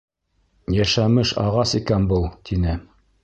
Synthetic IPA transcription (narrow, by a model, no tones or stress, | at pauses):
jæʃæmɘʃɑ̰ʁɑsikænbɤlˠt̪ʰinɘ